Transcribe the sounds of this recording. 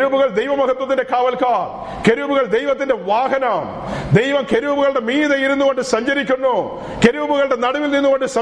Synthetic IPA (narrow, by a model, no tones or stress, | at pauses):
ɾuːbuɣɐɭd̪ejʋɐmɐkʰɐt̪wɐt̪ːinde̞kʰaːʋɐlkaːr | ke̞ɾubuɣɐɭd̪ejʋɐt̪ːindeʋaːɦɐnam | d̪ejʋɐmkeɾuːbuɣɐɭɽe̞miːðejiɾunːuɣo̞ɳɖɨsɐɲd͡ʑɐɾikʲːunːu | keɾuːbuɣɐɭɽe̞nɐɽɐʋilninːuɣo̞ɳɖɨsɐ